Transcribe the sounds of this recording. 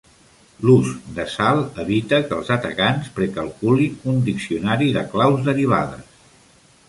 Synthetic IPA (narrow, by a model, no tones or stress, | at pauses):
luzd̪əsalˠəβit̪əkəːlˠzət̪ə̰kanspɾəkəlˠkuliund̪iksiunaɾiðəklawzðəɾiβ̞a̰ðə̰s